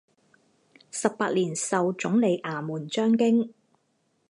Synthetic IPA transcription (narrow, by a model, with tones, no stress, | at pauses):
sɐ˨p̚ːaː˧t̚liː˨˩nsɐ˨wt͡sʊ˨˥ŋle˨˧jʔaː˨˩muː˨˩nt͡ʃœː˥ŋkɪ˥ŋ